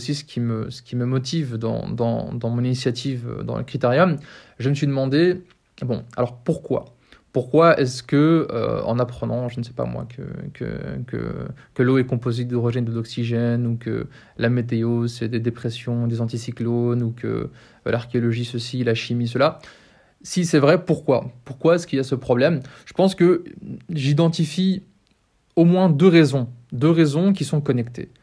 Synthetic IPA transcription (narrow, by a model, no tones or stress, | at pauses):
sisə̥kʲiməsə̥kʲiməmɔt̪ivd̪ɑ̰̃d̪ɑ̰̃d̪ɑ̃mɔ̃ninisjat̪ʰivø̰d̪ɑ̰̃lə̰kχit̪eʁjɔm | ʒəməsɥid̪əmɑ̃d̪e | bɔ̃a̰lɔʁpuʁkwa̰ | puʁkwaɛ̰skəø̰ɑ̰̃napχənɑ̃ʒənəsɛ̥pa̰mwa̰kə̰kʰə̰kə̰kəloɛkɔ̃pozed̪ɔʁiʒɛnd̪əd̪ɔksiʒɛnukə̰ | lamet̪eozɛd̪ed̪epχesjɔ̃d̪ezɑ̃t̪isiklonukə̰ | laʁkʲeɔlɔʒisəsilaʃimis̬əla | sisɛvʁɛpuʁkwa̰puʁkwaɛskʲiljasəpχɔblɛmʒ̥ə̥pɑ̃skə | ʒid̪ɑ̃t̪ifi | omwɛ̃d̪øʁezɔ̃d̪øʁezɔ̃k̬ʲisɔ̃kɔnɛkt̪ḛ